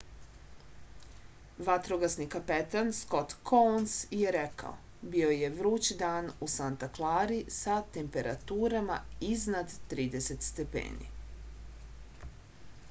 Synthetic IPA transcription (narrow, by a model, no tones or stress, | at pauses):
ʋat̪ɾoɡasnikapet̪ansko̞t̪kʰonsje̞ɾekʰa̰o̰ | bio̞jeʋɾuːt͡ɕid̪aːnusant̪aklˠaːɾisat̪e̞mpe̞ɾa̰t̪uːɾamaiznad̪ːɾiːd̪e̞se̞t̪st̪e̞pḛːnḭ